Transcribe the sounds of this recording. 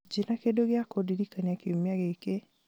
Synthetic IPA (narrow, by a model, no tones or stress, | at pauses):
d͡ʒɪnakedoɡɪakodidikaɲakɪomaɡeke